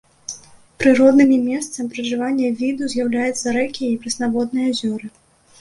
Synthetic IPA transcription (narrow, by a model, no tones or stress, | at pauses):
pɾɨɾɔd̪nɨmʲimʲɛst̪sɐmʲipɾɐʐɨvanʲːɐvʲid̪uzʲjawlʲajɛt̪sɐɾɛkʲijɛipɾɐsnavɔd̪nɨjɐzʲɔɾɨ